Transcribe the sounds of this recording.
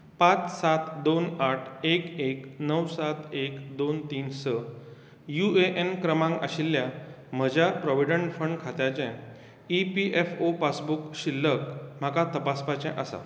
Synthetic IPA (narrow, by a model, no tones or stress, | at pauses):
pat͡ssat̪d̪onaʈʰekeknəwsat̪ekd̪ont̪iːnsə | jueʔenkɾəmãŋɡa̰ɕilːja | m̤əd͡ʑʱapɾɔʋiɖəɳʈfəɳɖkʰat̪jat͡ɕɛ̃ | ipiʔefopasbukɕilːəkm̤akat̪əpaspat͡ɕɛ̰̃ʔəsa̰